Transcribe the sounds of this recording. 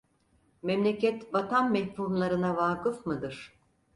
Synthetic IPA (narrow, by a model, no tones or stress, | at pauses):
mɛmlʲecɛt̪bat̪ʰanmɛhfumlˠaɾɯnavaːkɯfmɯd̪ɯɾ̥